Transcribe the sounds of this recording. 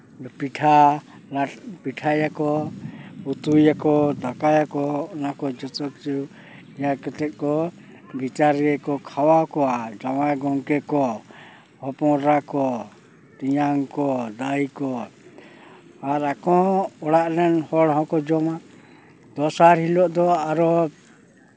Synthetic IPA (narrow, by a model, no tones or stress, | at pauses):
piʈʰa | lapiʈʰajakɔ | ut̪ujakɔd̪akajakɔɔnakɔd͡ʒɔt͡ʃɔk̚t͡ʃu | jakɛt̪ɛt̪̚ˀkɔ | bit͡ʃaɾiɛkɔkʰawakɔad͡ʒawaɡɔŋkɛkɔ | hɔpɔ̃ɾakɔ | t̪ijaŋkɔd̪ajkɔ | aɾakɔɔɽaʔlɛnhɔɽɦɔ̃kɔd͡ʒɔma | d̪̥ɔsaɾɦilɔʔd̪ɔaɾɔ